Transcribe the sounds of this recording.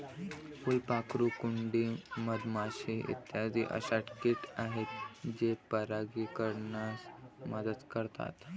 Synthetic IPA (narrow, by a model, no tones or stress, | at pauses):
pulpakɾukuɳɖiːməd̪maɕiḭt̪jad̪iʔə̰ɕaʈkiʈaɦet̪d͡ʑepəɾaɡiːkəɾɳasməd̪əd̪kəɾt̪a̰t̪